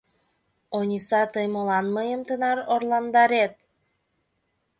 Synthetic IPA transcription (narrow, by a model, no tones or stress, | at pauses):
onʲisɑt̪əjmolɑnməjəmt̪ənɑɾorlɑnd̪ɑɾet̪̚